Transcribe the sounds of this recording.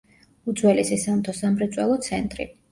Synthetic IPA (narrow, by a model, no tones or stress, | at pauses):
ud̪zwɛlisisamt̪ʰɔsamɾɛt̪sʼwɛlˠɔt̪sʰɛnt̪ʼɾḭ